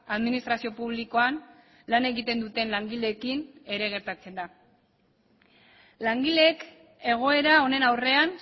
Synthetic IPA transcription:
aðminist̪ɾasio̞puβliko̞an | lane̞ɣit̪e̞nd̪ut̪e̞nlaŋɡile̞ːkine̞ɾe̞ɣ̞e̞ɾt̪at͡se̞nd̪a | laŋɡileek | e̞ɣ̞o̞e̞ɾao̞ne̞nawre̞an

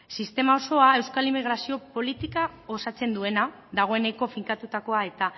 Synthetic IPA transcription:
sist̪e̞mao̞so̞ae̞wskalimiɣ̞ɾasio̞po̞lit̪ikao̞sat͡se̞nd̪ue̞na | ðaɣ̞o̞e̞ne̞ko̞fiŋkat̪ut̪ako̞ae̞t̪a

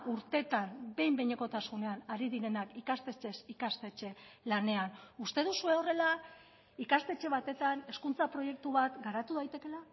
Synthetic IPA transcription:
ʔuɾt̪e̞t̪ambe̞jmbejɲe̞ko̞t̪asune̞anaɾiðiɾe̞nakikast̪e̞t͡ʃe̞sikast̪e̞t͡ʃe̞lane̞anust̪e̞ð̞usue̞o̞re̞la | ikast̪e̞t͡ʃe̞βat̪e̞t̪ane̞skunt͡sapɾo̞je̞k̚t̪uβat̪ɡaɾat̪uðajt̪e̞ke̞la

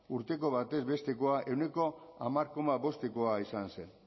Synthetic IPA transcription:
uɾt̪e̞ko̞β̞at̪e̞zβe̞st̪e̞koaʔe̞wne̞ko̞amaɾko̞maβo̞st̪ekoaisanse̞n

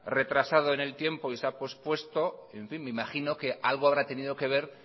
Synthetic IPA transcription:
re̞t̪ɾasað̞o̞ene̞lt̪je̞mpo̞isapospwe̞st̪o̞eɱfinmeimaχino̞ke̞ʔalɣ̞oaβ̞ɾat̪e̞niðoke̞β̞e̞ɾ

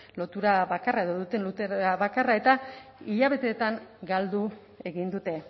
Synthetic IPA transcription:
lo̞t̪uɾaβakarae̞ðo̞ðut̪e̞nlut̪eɾaβakarae̞t̪aiʎaβe̞t̪e̞t̪aŋɡald̪u | e̞ɣind̪ut̪e̞

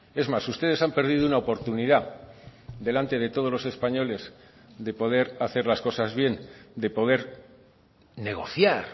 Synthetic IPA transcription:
e̞zmasust̪e̞ð̞e̞sampe̞ɾð̞iðounaopo̞ɾt̪uniða | d̪e̞lant̪e̞ðe̞t̪o̞ð̞o̞zlo̞sespaɲo̞le̞z | ðe̞po̞ð̞e̞ɾaθe̞ɾlasko̞sazβje̞nd̪e̞po̞ð̞e̞ɾ | ne̞ɣ̞o̞θjaɾ

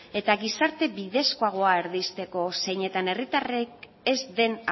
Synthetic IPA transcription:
e̞t̪aɣisaɾt̪e̞biðe̞skoaɣ̞o̞aeɾðist̪e̞ko̞se̞jɲe̞t̪ane̞rit̪arek | e̞zd̪e̞n

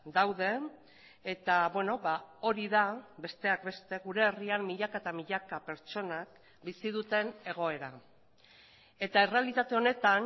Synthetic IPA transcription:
d̪awð̞e̞ː | t̪aβweno̞βao̞ɾiðabe̞st̪e̞ak̚be̞st̪e̞ɣuɾe̞ːriamːiʎakaet̪amiʎakape̞ɾt͡ʃo̞nak̚ | bisið̞ut̪e̞ne̞ɣ̞o̞e̞ɾa | e̞t̪ae̞re̞alit̪at̪e̞o̞ne̞t̪an

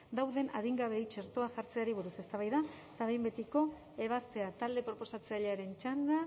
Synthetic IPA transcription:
d̪awðe̞na̰ðiŋɡaβe̞jt͡ʃe̞ɾt̪o̞aʝaɾt͡se̞aɾiβ̞uɾuse̞st̪aβajða | t̪aβejmbe̞t̪iko̞ | e̞β̞ast̪e̞at̪ald̪e̞pɾo̞po̞sat͡seaʎeaɾe̞nt͡ʃand̪a

